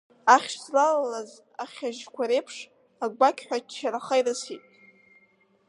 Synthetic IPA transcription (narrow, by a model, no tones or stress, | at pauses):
aχʲʃslalalaz | aχʲaʒkʷʰaɾe̞jpʰʂ | aɡʷakʲʰʼħʷᶣaaɾaχajrɨsitʼ